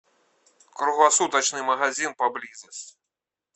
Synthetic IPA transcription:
kɾuɣlˠasut̪ɐt͡ʃnɨmɐɣazʲinpablʲizɐsʲ

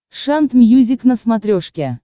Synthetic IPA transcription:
ʂant̪mʲjuzʲiknəsmat̪ɾʲoʂkʲe

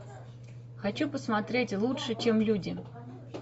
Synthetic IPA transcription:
xat͡ɕupəsmat̪ɾʲetʲlˠutʂɨt͡ɕemlʲudʲɪ

